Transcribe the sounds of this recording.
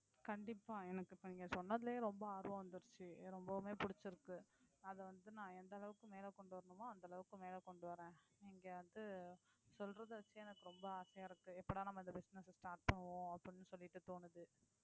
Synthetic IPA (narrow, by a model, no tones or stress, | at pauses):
kɐɳɖɪpːaːɛnɐkːɯniːŋɡɐsɔnːɐðɪleɾɔmbɐaːɾʋɐ̃ʋɐnd̪ɯɾt͡ʃːɯɾɔmbɐmeːpʊɽɪt͡ʃːɪɾɯkːɯɐðɛʋɐnd̪ɯnãːɛnd̪ɐlɐʋɯkːɯmeːlɐkɔɳɖɯʋɐɾɐnɯmaːɐnd̪ɐɭɐʋɯkːɯmeːlɐkɔɳɖɯʋɐɾẽːɛŋɡeːʋɐnd̪ɯ | sɔlɾɐðɯʋɐt͡ʃːɯɛnɐkːɯɾɔmbɐaːsɐjaːɪɾɯkːɯɛpːɐɽaːnɐmːɐɪnd̪ɐbɪsnɛssʈaːɾʈ̚pɐɳːɯʋõːɐpːɽɪnːɯsɔlːɪʈːɯt̪oːnɯðɯ